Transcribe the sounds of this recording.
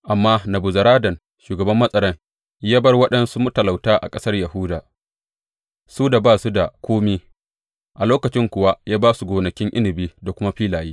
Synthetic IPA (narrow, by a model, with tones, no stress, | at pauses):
ʔa˨mːaː˦nɐ˨bu˨zɐ˨ɾaː˦dɐ˨n | ʃuː˨ɡɐ˨bɐ˦mːɐ˦sʼɐ˦ɾɐ˦ŋ | jaː˦bɐ˦rwɐ˦ɗɐ˦nsu˦mu˦tɐ˨la˨wtaː˦ʔa̰˨kʼɐ˦sɐ˦rjɐ˨ɦʊ˦daː˨ | suː˦da˨baː˦˨su˦da˨kʷoː˦mi˦ | ʔa˨loː˦kɐ˨t͡ʃɪ˦ŋkʷʊ˨wa˦jaː˦baː˦su˨ɡʷoː˨nɐ˨kʲɪ˦ŋʔɪ˦nɪ˨biː˦da˨kʷʊ˦ma˦ɸiː˦laː˨jiː˦